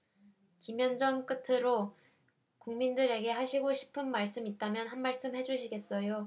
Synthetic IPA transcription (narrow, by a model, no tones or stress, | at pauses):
kimjʌnd͡ʑʌŋk͈ɯtʰɯɾo | kuŋmindɯɾe̞ɡe̞ɦaɕʰiɡoɕʰi̥pʰɯnmaɭs͈ɯmit̚t͈amjʌnɦanmaɭs͈ɯmhe̞d͡ʑuɕʰiɡe̞s͈ʌjo